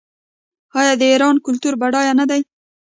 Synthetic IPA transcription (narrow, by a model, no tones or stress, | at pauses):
ɑjɑd̪əiɾɑnkʊlt̪uɾbaɽɑjanad̪aj